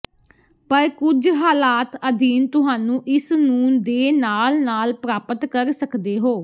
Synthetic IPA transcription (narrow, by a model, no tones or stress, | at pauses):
pəɾkʊd͡ʒɦaːlaːt̪əd̪iːnt̪ʊɦaːnũːʔɪsnũːd̪eːnaːlnaːlpɾaːpət̪kəɾsəkd̪eːɦoː